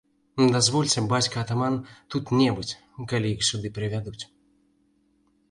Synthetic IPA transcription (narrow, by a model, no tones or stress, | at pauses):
d̪azvɔlʲt͡sʲɛbat͡sʲkɐːt̪amant̪ut̪nʲɛbɨt͡sʲ | kalʲijixsʲud̪ɨpɾɨvʲad̪ut͡sʲ